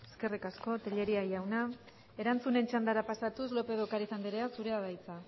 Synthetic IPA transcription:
eske̞rikasko̞t̪eʎe̞ɾiajawna | e̞ɾant͡sune̞nt͡ʃand̪aɾapasat̪uslo̞pe̞ðo̞kaɾisand̪iɾeasuɾe̞aðajt͡sa

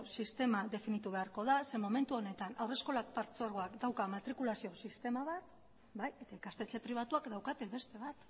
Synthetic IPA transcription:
sist̪e̞maðe̞finit̪uβ̞e̞aɾko̞ð̞ase̞mo̞me̞nt̪uo̞ne̞t̪anawre̞sko̞lak̚paɾt͡soaɾɣ̞oakd̪awkamat̪ɾikulasio̞sist̪e̞maβat̪ | baje̞t̪aikast̪e̞t͡se̞pɾiβ̞at̪uakd̪awkat̪eβe̞st̪e̞βat̪

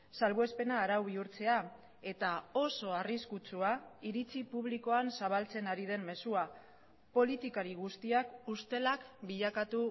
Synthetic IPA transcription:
salβoe̞spe̞naːɾawβ̞iuɾt͡se̞a | e̞t̪ao̞so̞ariskut͡suaiɾit͡sipuβ̞liko̞ansaβalt͡se̞naɾið̞e̞mme̞sua | po̞lit̪ikaɾiɣust̪iakust̪e̞lakbiʎakat̪u

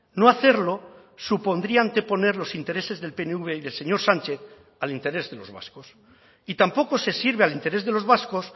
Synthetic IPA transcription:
no̞aθe̞ɾlo̞ | supo̞nd̪ɾiaːnt̪e̞po̞ne̞ɾlo̞sint̪e̞ɾe̞se̞zðe̞lpe̞neuβe̞iðelse̞ɲo̞ɾsant͡ʃe̞θ | alint̪e̞ɾe̞zðelo̞zβa̰sko̞s | it̪ampo̞ko̞se̞siɾβealint̪e̞ɾe̞zðe̞lo̞zβasko̞s

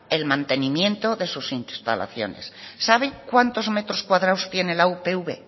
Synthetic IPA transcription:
e̞lmãnt̪e̞nimjẽ̞nt̪o̞ðe̞susinst̪a̰la̰θjo̞̰ne̞̰sːaβ̞ekwant̪o̞zme̞t̪ɾo̞skwaðɾawst̪je̞ne̞laupeuβe

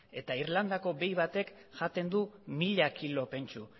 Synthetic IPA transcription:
e̞t̪aiɾland̪ako̞be̞jβat̪e̞k | ʝat̪e̞nd̪umiʎakilo̞pe̞nt͡ʃu

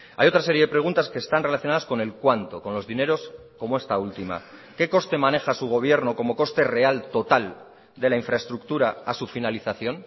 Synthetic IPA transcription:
a̰jo̞t̪ɾase̞ɾje̞ðe̞pɾe̞ɣunt̪askeːst̪anrelaθjo̞naðasko̞ne̞lkwant̪o̞ko̞nlo̞zðine̞ɾo̞s | ko̞moe̞st̪ault̪ima̰ke̞ko̞st̪e̞mane̞xasuɣ̞o̞β̞je̞ɾnoko̞mo̞ko̞st̪e̞re̞alt̪o̞t̪al | d̪e̞laiɱfɾae̞st̪ɾukt̪uɾaasufinaliθaθjo̞n

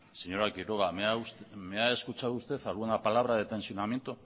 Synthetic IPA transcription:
seɲo̞ɾakiɾoɣameausmeaeskut͡ʃaðuːst̪e̞θaluend̪apalaβ̞ɾaðet̪e̞nsionamje̞nt̪u

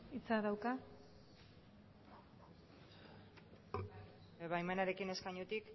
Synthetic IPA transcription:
it͡saðawka | eβajmanaɾe̞kine̞skaɲut̪ik

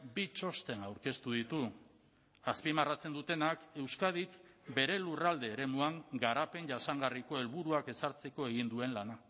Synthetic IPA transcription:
bit͡ʃo̞st̪e̞nawɾke̞st̪uð̞it̪u | aspimarat͡se̞nd̪ut̪e̞nake̞wskað̞ikbe̞ɾe̞lurald̪e̞ːɾe̞muaŋɡaɾape̞nʝasaŋɡariko̞e̞lβuɾuake̞saɾt͡se̞ko̞e̞ɣ̞ind̪ue̞nlana

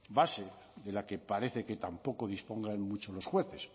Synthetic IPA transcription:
base | ðelake̞paɾe̞θeket̪ampo̞koð̞ispo̞ŋɡanmut͡ʃolo̞sxwe̞θes

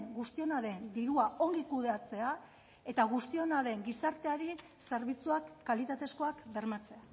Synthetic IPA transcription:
ŋɡust̪io̞naðe̞nd̪iɾuao̞ŋɡikuð̞e̞at͡se̞a | e̞t̪aɣ̞ust̪io̞naðe̞ŋɡisaɾt̪e̞aɾi | se̞ɾβit͡suakːalit̪at̪e̞sko̞akbe̞ɾmat͡se̞a

